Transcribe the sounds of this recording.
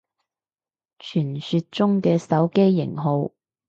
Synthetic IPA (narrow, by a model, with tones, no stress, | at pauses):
t͡ʃʰyː˨˩nsy˧t̚t͡sʊ˥ŋkɛː˧sɐ˨˥wke˥jːɪ̰˨˩ŋɦo˧w